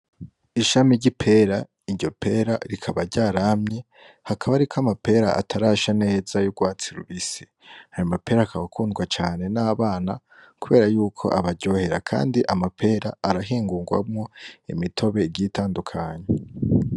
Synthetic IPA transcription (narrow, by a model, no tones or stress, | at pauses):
iʃamiɾɟipʰe̞ɾa | iɾɟo̞pʰe̞ɾaɾikʰaβaɾɟaːɾamɲe | hakʰaβaɾikʰoamape̞ɾaa̰tʰaɾaːʃane̞ːz̥ajuɡwaːt͡siɾuβisi̥ | hajamapʰe̞ɾaːkʰaβakʰuːnɡwat͡ʃaːne̞naːβaːna | kuβe̞ːɾajuːkʰo̞̰ʔaβaɾɟo̞ːhe̞ɾakʰa̰ːndiʔamapʰe̞ːɾaːɾaɦiːŋɡuːŋɡwa̰mŋo̞imitʰo̞βe̞iɡitaːndukʰaɲe